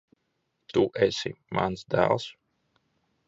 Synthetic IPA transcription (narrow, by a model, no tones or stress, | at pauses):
t̪uʔɛsimʔansd̪æ̰ːlˠs